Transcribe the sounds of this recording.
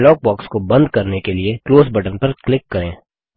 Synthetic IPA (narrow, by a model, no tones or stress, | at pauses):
lɔːk̚bɔːkskobɐ̃nd̪kɐɾnekeliekloːsbɐʈənpɐɾklɪkːɐɾẽː